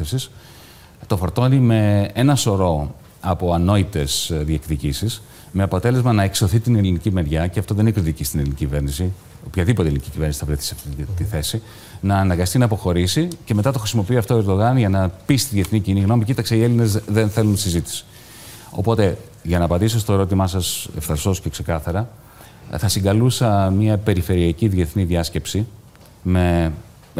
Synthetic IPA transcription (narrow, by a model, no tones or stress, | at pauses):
efsis | t̪o̞fo̞ɾt̪o̞nime̞enɐso̞ɾo̞ | ɐpo̞ɐno̞it̪e̞sðiekðicisis | me̞ɐpo̞t̪e̞le̞zmɐnɐekso̞θit̪inelinicime̞ɾʝɐceɐft̪oðe̞ninekɾit̪icist̪inelinicicive̞ɾnisi | opçɐðipot̪elinicicive̞ɾnisiθɐvɾeθi̥siɐft̪it̪iθe̞si | nɐːnɐɡɐst̪inɐpo̞xo̞ɾisice̞me̞t̪ɐt̪o̞xɾisimo̞piiɐft̪oeɾd̪o̞ɣɐnʝɐnɐpist̪iðʝie̞θniciniɣno̞micit̪ɐkseie̞line̞zðe̞nθe̞lunt̪i̥sizit̪i̥si̥ | o̞̰po̞t̪e̞ | ʝɐnɐːpɐnd̪isost̪oeɾo̞t̪imɐsɐse̞̰fθɐɾso̞scekse̞kɐθɐɾɐ | θɐsiŋɡɐlusɐmiɐpe̞ɾife̞ɾiɐciðʝe̞θniðʝɐsce̞psi | me̞